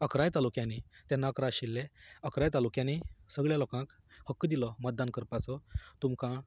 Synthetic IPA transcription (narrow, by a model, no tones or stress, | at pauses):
əkɾajt̪alukjãnit̪anːakɾaɕilːeəkɾajt̪alukjãnisəɡɭjalɔkãk | həkːd̪ilɔmət̪̚d̪ankəɾpat͡sɔt̪umkã